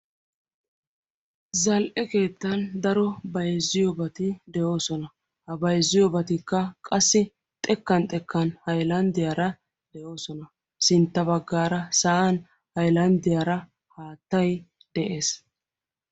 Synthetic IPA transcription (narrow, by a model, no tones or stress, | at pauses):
zɐlʔɛke̞ːt̪ːɐnd̪ɐɾɔbɐjzːɪjɔbɐt̪ɪd̪ɛʔo̞ːsɔnɐ | hɐbɐjzːɪjɔbɐt̪ɪkːɐkʼɐsːɪ | t̪ʼɛkːɐnt̪ʼɛkːɐnhɐjlɐnd̪ɪjɐɾɐ | d̪̥ɛʔo̞ːsɔnɐ | sɪnt̪ːɐbɐɡːaːɾɐsɐɐn | hɐjlɐnd̪ɪjɐɾɐ | haːt̪ːɐj | d̪̥ɛʔeːs